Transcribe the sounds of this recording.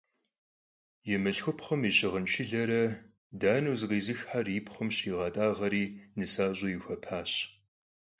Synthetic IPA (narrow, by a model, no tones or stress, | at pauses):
jɪmɨɬxʷʊpχəmiɕɪʁənt͡ʃʰɪɮɐɾɐ | daːnuːzɨʁiːzɨxħaripχəmɕiːʁɑːtʼaːʁɐɾiːnɨsaːʑʷʼojɪxʷɐpʰaːɕ